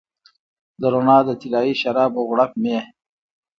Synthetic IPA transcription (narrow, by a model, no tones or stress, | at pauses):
d̪əɾonɑːd̪ət̪ilaːiʃaɾɑːboɣɽapme